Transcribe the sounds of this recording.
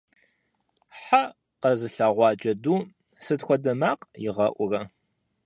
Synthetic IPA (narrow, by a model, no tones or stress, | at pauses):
ħa | qɐzɨɬaʁʷɑːt͡ʃʼɐduː | sɨtxʷɔdɐmaːqjɪʁɐʔʷʊrɐ